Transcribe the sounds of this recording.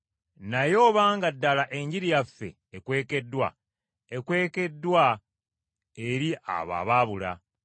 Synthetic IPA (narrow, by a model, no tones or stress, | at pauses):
najo̞ːβaːŋɡadːalaʔe̞ɲɟiɾijafːe̞̰ːkwe̞ːke̞dːwa | ekwe̞ːke̞dːwa | e̞ɾia̰βa̰ːβaːβula̰